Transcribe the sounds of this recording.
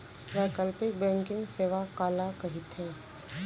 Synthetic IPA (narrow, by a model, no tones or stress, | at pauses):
ʋɛːkəlpɪk̚bɛ̃ːŋkɪ̃ŋɡseːʋakaːlakɐɦɪt̪ɦɛ̃ː